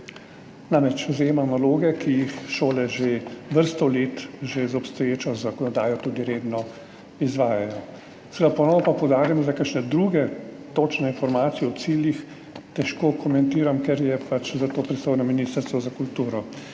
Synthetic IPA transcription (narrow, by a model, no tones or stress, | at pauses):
namɾɛt͡ʃzajeːmamnaloːɡɛkijixʃoːlɛʒeʋəɾst̪ɔlet̪ʒezɔpst̪ɔjeːt͡ʃɔzakɔnɔd̪aːjɔt̪ud̪iɾeːd̪nɔ | izʋaːjajɔ | sɛɛd̪apɔnɔːnɔpapɔwd̪aːɾimɔzakakʃnɛd̪ɾuɡɛt̪oːt͡ʃnɛinfɔɾmaːt̪sijɛɔt̪siːljix | t̪ɛʃkoːkʰɔmɛnt̪iːɾamkɛɾjɛpat͡ʃzat̪oːpɾist̪oːjnɔminiːst̪əɾst̪ʋɔzakult̪uːɾɔ